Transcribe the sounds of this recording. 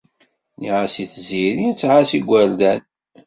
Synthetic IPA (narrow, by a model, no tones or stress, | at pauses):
niʕasiθziɾijt͡sːʁasiɡʷːæɾd̪æn